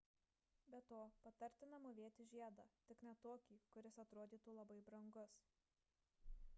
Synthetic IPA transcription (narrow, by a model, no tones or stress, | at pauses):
bʲɛt̪oːpɐt̪ɐɾʲt̪ʲɪnɐmʊʋʲeːt̪ʲɪʒʲiɛd̪ɑːt̪ʲɪknʲɛt̪oːkʲiːkʊɾʲɪsɐt̪ɾoːd̪ʲiːt̪uːlˠɐbɐɪbɾɐŋɡʊs